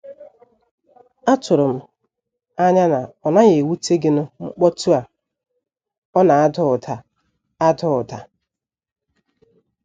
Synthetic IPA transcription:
a˦tʊ˨ɾʊ˨m̩˨ | a˦ɲa˦na˨ɔ˨na˦ɣe˨wu˦te˦ɡɪ˦nʊ˦ŋ͡m̩˦k͡pɔ˦tu˦a˨ | ɔ˦na˨a˦dʊ˦˨tʰa˨ | a˦dʊ˦ʊ˨ta˨

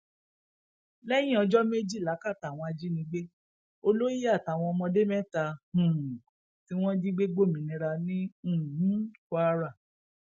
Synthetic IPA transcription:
lɛ˦j̃ĩ˦ɔ˧d͡ʒɔ˦me˦d͡ʒi˦˨la˨˦ka˦˨ta˨w̃ɔ̃˧a˧d͡ʒi˦nĩ˧ɡ͡be˦ | o˧lo˦ji˦a˦˨ta˨w̃ɔ̃˧ɔ˧mɔ̃˧de˦mɛ̃˦˨ta˧hũ˨ | ti˦w̃ɔ̃˦d͡ʒi˦ɡ͡be˦ɡ͡bo˦˨mĩ˨nĩ˧ɾa˧nĩ˦ũ˦˨ũ˦kʷa˦˧ɾa˦˨

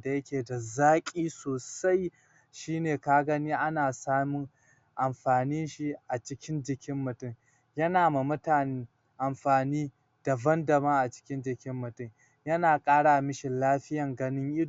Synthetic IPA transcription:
da˨jɐ˦kʲeː˨da˨zaː˦kʲʼiː˦soː˨sa˦j | ʃiː˦neː˨ka˦ɡɐ˦niː˦ʔa˦naː˨saː˦mu˦ | ʔa˨mɸaː˨ni˦nʃi˦ʔa˨t͡ʃɪ˦kʲɪ˦nd͡ʒɪ˨kʲɪ˦mːʊ˨tʊ˦˨ŋ | jɐ˦naː˨ma˨mʊ˦taː˨ne˦ | ʔa˨mɸaː˨niː˦ | d̥a˨bɐ˦ndɐ˨bɐ˦ŋʔa˨t͡ʃɪ̥˦kʲɪ˦nd͡ʒɪ˨kʲɪ˦mːʊ˨tʊ˦˨ŋ | jɐ˦naː˨kʼaː˦ɽaː˨mɪ˦ʃɪ˨nlaː˦ɸɪ˦jɐ˨ŋɡɐ˦nɪ˦ŋʔɪ˦d

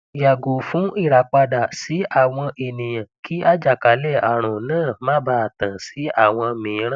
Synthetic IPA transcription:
ja˨ɡo˨fũ˨˦i˦˨ɾa˨˦k͡pa˧da˨si˨˦a˦˨w̃ɔ̃˧ʔe˨nĩ˨jã˨kʰi˦a˦d͡ʒa˦˨ka˨˦lɛ˦˨a̰˨ɾ̃ɔ̃˨nãː˦˨mã˦ba˧˦a˨tã˨si˨˦a̰˦˨w̃ɔ̃˧mĩː˨˦ɾ̃ã˦

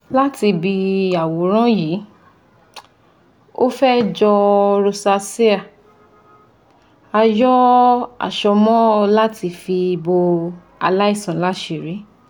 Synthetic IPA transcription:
la˦ti˧bi˧a˨wo˨˦ɾ̃ã˦ji˨˦ | o̰˦fɛ˦d͡ʒɔ˧ɾo˧sa˧se˦a˨ | a˧jɔ˦a̰˦˨ʃɔ˧mɔ̃˦la˦ti˧fi˧bo˧ | a˧la˦i˦˨sɔ̃˨˦la˦ʃe˧˨ɾi˨˦

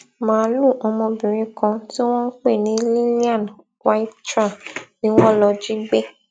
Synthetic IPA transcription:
mãː˦lu˦˨ʔɔ˧mɔ̃˧bĩ˨ɾĩ˨˦kã˧ti˦w̃ɔ̃˦n̩˦k͡pe˦˨nĩ˨˦li˦lĩ˦ã˦˨n | wa˦i˦ttɾa˦˨nĩ˨˦w̃ɔ̃˦lɔ˧d͡ʒi˦ɡ͡be˦

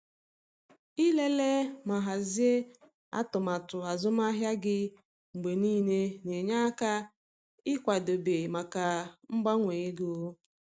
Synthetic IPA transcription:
i˦le˦le˦ma˨ɦa˨zi˦e˦ | a̰˦tʊ˨ma˨tʊ˨a˨zʊ˦ma˦ɦja˦ɡɪ˦ | ŋ͡m̩˨ɡ͡be˨niː˦ne˦ne˨ɲa˦ka˦ | ɪ˦kʷa˨do˨be˨ma˨ka˨m̩˦ɡ͡ba˦ŋʷe˨e˦ɡo˦

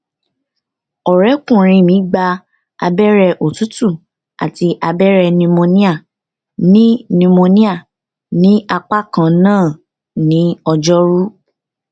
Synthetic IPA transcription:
ɔ˨ɾɛ˨˦kũ˦˨ɾ̃ĩ˧mĩ˨˦ɡ͡ba˧ | a̰˧bɛ˦ɾɛ˧ʔo˨tu˦tu˦˨ | a̰˨ti˧ʔa˧bɛ˦ɾɛ˧nĩ˧mõ˧nĩ˦a˦˨ | nĩ˦nĩ˧mõ˧nĩ˦a˦˨ | nĩ˦a˧k͡pa˦kã˦˨nãː˦˨ | nĩ˨˦ɔ˧d͡ʒɔ˦ɾu˦

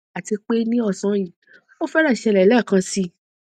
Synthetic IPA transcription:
a˨ti˧k͡pe˦nĩ˦ɔ˦˧˨sɔ̃˨˦jĩ˨ | mo˦fɛ˦ɾa˦˨ʃɛ˧lɛ˨lɛ˦˨kã˧si˦

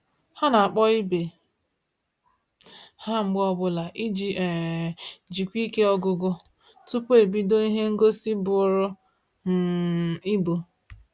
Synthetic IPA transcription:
ha˦na˨a˨k͡pɔ˦i˦be˨ | ha˦ŋ͡m̩˦ɡ͡bɔ˦bʊ˦la˨ʔi˦d͡ʒi˨e˨ | d͡ʒi˨kʷi˦ke˦ɔ˦ɡʊ˦ɡʊ˦ | tu˦pu˦e˨bi˦do˦i˦ɦe˦ŋ̩˦ɡo˦si˦bʊ˨ʊ˨ɾʊ˦ | n̩˨i˦bu˨

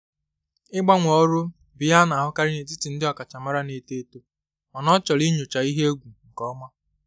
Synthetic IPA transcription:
ɪ˦ɡ͡ba˦ŋʷɔ˦ɾʊ˦ | bɪ˨ja˦na˨ɦʊ˦ka˦ɾɪ˦ne˨tɪ˦ti˨n̩˦dɪ˦ɔ˨ka˨t͡ʃa˨ma˦ɾa˦ne˨te˦to˦ | ɔ˨nɔ˦t͡ʃɔ˨li˦ɲo˨t͡ʃa˨i˦ɦe˦e˦ɡʷu˨ŋ̩˨kɔ˦ma˦

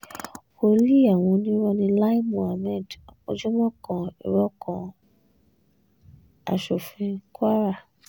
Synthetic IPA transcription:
o˧˨˦li˦˨a˦˨w̃ɔ̃˧nĩ˦ɾɔ˧nĩ˧˦la˦i˦mũ˨a˨mɛ˦˨do̰˧˦d͡ʒɔ˦mɔ̃˦kɔ̃˨ḭ˨ɾɔ˦kɔ̃˨ | a̰˨ʃo˨fĩ˨˧ka˦ɾa˦˨

